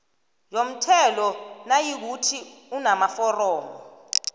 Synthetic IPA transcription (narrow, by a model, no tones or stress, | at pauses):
jom̩tʰɛlɔnajik̬utʰiunamafɔrɔːmɔ